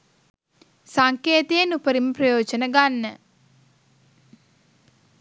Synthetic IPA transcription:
saŋkeːt̪ejenupəɾiməprɐjoːd͡ʒənəɡanːə

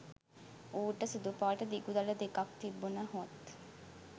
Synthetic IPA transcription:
uːʈɐsid̪upaːʈɐd̪iɡud̪ɐlɐd̪ekɐk̚t̪ibːunɐɦuɐt̪

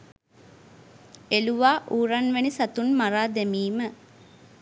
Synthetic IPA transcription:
eluʋaːʔuːɾanʋenisat̪unmaɾaːd̪emiːmə

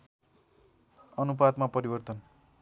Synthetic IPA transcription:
ʌnup̬ad̪mapʌɾibʌrt̪ʌn

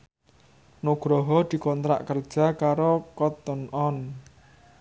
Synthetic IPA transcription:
noɡ̥ɾɔɦɔd̪̥i̤kɔnt̪ɾa̰ʔkərd̥ʒ̥a̤kaɾokɔt̪ənɔn

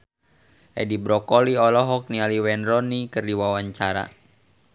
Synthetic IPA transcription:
ʔɛ̰dibɾɔkɔliɔlɔɦɔk̚nialiwɛnrɔnikɨrdiwawaɲt͡ʃaɾa̰

